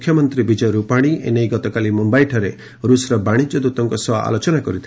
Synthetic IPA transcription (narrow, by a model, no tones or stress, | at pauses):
kʰjɔmɔnt̪ɾibid͡ʒɔɾupaɽ̃iʔḛnejɡɔt̪ɔkalimumbajʈʰɔɾe | ɾusɾɔbaɽ̃id͡ʒjɔd̪ut̪ɔŋkɔsɔa̰ʔa̰lot͡ʃɔnakɔɾit̪ʰ